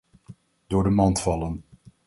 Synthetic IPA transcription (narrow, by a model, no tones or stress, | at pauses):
d̥ʊːɹdəmɑntfɑlən